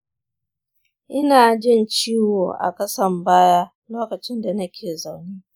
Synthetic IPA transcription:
ʔɪ˦naː˨d͡ʒɪ˦˨nt͡ʃiː˦woː˨ʔa̰˨kɐ˦sɐ˦mbaː˦jaː˦ | loː˦kɐ˨t͡ʃɪ˦nda˨nɐ˦kʲeː˨za˨wniː˦

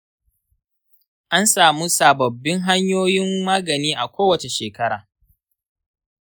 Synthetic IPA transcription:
ʔa˦nsaː˨mu˦saː˨bɐ˨bːɪ˦ŋɦa˦ɲjoː˦jɪ˦mːaː˦ɡɐ˨niː˦ʔa˨kʷoː˦wɐ˨t͡ʃe˨ʃeː˨kɐ˦ɽa̰ː˨

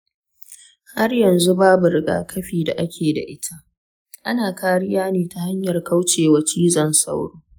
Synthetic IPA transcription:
ha˦rjɐ˨nzu˦baː˦bʊ˨ɾɪ˨ɡa̰ː˨kʰɐ˦ɸiː˨da˨ʔa˦kʲeː˨da̰˨ʔɪ˦tʰa˦ʔ | ʔa˦naː˨kaː˦ɽɪ˦jaː˦neː˦ta˨ha˦ɲjɐ˨rka˦wt͡ʃeː˨wɐ˨t͡ʃiː˦zɐ˨nsa˦wɽoː˦

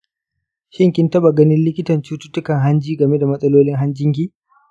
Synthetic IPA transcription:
ʃɪ˦ŋkʲɪ˦ntɐ˦ɓa˨ɡɐ˦nɪ˦nlɪ˦kʲɪ˦tɐ˨nt͡ʃuː˦tʊ̥˦tʊ˦kɐ˨ŋɦa˦nd͡ʒiː˦ɡɐ˨me˦da˨mɐ˦sʼɐ˦loː˦lɪ˦ŋɦa˦nd͡ʒɪ˦ŋɡʲiː˦

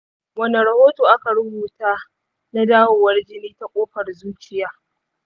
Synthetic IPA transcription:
wɐ˦ne˨ɾɐ˨hoː˦toː˨ʔa˦ka˨ɽʊ˦buː˨taː˦ | na˦daː˦woː˨wɐ˦rd͡ʒɪ˦niː˦ta˦kʷʼoː˦ɸɐ˨rzuː˦t͡ʃɪ˦jaː˦

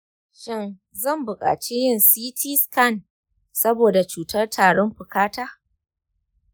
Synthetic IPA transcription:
ʃɪ˦˨n | zɐ˦˨mbʊ˨kʼa̰ː˨t͡ʃi˦jɪ˦˨nsiː˦tʰiː˦skɐ˦˨n | sɐ˦boː˨da˨t͡ʃuː˨tɐ˦rtʰaː˨ɽɔ˦mɸʊ˨kaː˦taː˦

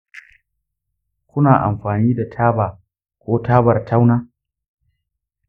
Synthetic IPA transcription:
kʷʊ˦naː˨ʔa̰˨mɸaː˨niː˦da˨tʰaː˦baː˨ | kʷoː˦taː˦bɐ˨rtʰa˦wnaː˦

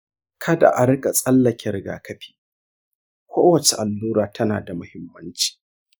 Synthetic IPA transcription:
kʰɐ˦da̰˨ʔa˨ɾɪ˦kʼa˨sʼɐ˦lːɐ˨kʲʰɛ˨ɾɪ˨ɡa̰ː˨kɐ˦ɸi̥ː˦ | kʷoː˦wɐ˨t͡ʃi˦ʔa˨lːuː˦ɾaː˨tʰɐ˦na̰ː˨da˨mʊ˦hɪ˦mːɐ˦nt͡ʃi̥ː˨

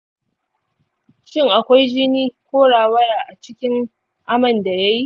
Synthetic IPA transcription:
ʃɪ˦ŋʔa˨kʷa˦jd͡ʒɪ˦niː˦kʷoː˦ɽaː˨wɐ˦jaː˨ʔa˨t͡ʃɪ˦kʲɪ˦ŋ | ʔa˦mɐ˨nda˨ja˦ji˦

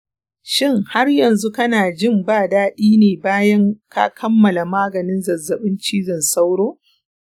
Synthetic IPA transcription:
ʃɪ˦˨ŋha˦rjɐ˨nzu˦kɐ˦naː˨d͡ʒɪ˦mbaː˦˨daː˦ɗiː˦neː˨baː˦jɐ˦ŋka̰˦kʰɐ˦mːɐ˨la˨maː˦ɡɐ˨nɪ˦nzɐ˨zːɐ˨ɓɪ˦nt͡ʃiː˦zɐ˨nsa˦wɽoː˦

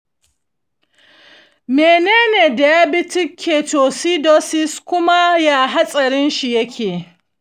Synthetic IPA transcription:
meː˨neː˦neː˨da˨ja˦bɪ˦tʊ˦kʲʰːeː˨toː˨siː˦doː˦sɪ˦skʷʊ˦ma˦ja˦ɦa˦sʼɐ˨ɾɪ˦nʃi˨jɐ˦kʲʰeː˨

